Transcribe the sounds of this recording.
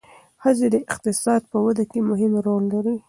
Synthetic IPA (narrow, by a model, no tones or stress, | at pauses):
xəzed̪əɪqt̪ɪsɑd̪̚pəwad̪akemʊɦɪmɾollaɾi